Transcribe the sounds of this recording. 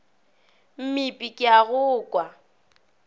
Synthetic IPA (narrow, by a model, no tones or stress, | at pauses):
m̩mipʼikʼɪaɣʊːkʼwa